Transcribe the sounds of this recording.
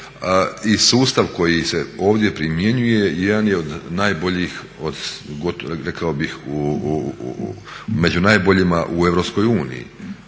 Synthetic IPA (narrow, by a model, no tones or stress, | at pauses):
isuːst̪aʋko̞jise̞o̞ːʋd̪je̞pɾimje̞ɲuje̞jed̪anje̞o̞d̪naːjboʎix | o̞d̪ɡot̪ɾekaobixu | me̞d͡ʑunaːjbo̞ʎimaʔue̞ʋɾo̞psko̞juːnḭjḭ